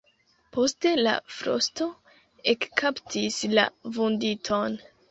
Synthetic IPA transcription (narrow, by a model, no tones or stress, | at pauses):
po̞ste̞la̰fɾo̞̰sto̞ | ekkʰaptʰisla̰vunditʰo̞n